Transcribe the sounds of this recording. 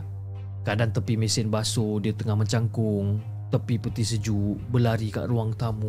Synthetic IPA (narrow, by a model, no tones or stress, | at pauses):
kadant̪əpimisɪnbasodiət̪əŋahməɲt͡ʃaŋkʊŋ | t̪əpipət̪isəd͡ʒuʔbəlaɾika̰ʔruaŋt̪amu